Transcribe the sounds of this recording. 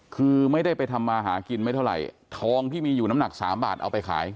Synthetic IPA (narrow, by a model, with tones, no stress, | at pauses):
kʰɯː˧ma˥˩jda˥˩jpa˧jt̪ʰa˧mːaː˧ɦaː˩˦ki˧nma˥˩t̪ʰa˥˩wɾa̰˨˩j | t̪ʰɔː˧ŋt̪ʰiː˥˩miː˧juː˨˩na˦˥mna˨˩k̚sa̰ː˩˦mba̰ː˨˩t̪̚ʔa̰˧wpa˧jkʰa̰ː˩˦j